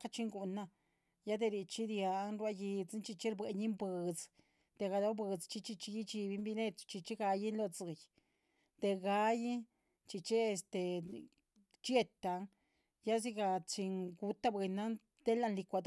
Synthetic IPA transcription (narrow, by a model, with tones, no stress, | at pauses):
ka˧t͡ʃi˦ŋɡu˧na˧ | ja˦d̪e˧ɾi˧t͡ʃi˦d̪ja˧˦nɾwa˧ji˧t͡snt͡ʃi˧t͡ʃe˦ɾbwe˨ɲi˦mbɨ˨˧d͡z | d̪̥e˧ɡa˧d̪o˦bɨ˧d͡zt͡ʃi˧t͡ʃi˧t͡ʃi˧ji˦t͡ʃi˧bi˧˦mbi˧ne˦˧t̪t͡ʃi˧t͡ʃi˦ɡa˧ji˦nlo˧t͡sɨ˨˧j | t̪e˧ɡa˧ji˦ | t͡ʃi˧t͡ʃe˦e˧st̪e˨ | t͡ʃje˧t̪a˧ŋ | ja˦zi˦ɡa˧t͡ʃi˧ŋɡu˧t̪a˦bwe˧na˦ | d̪̥e˦la˧nli˧kʷa˧d̪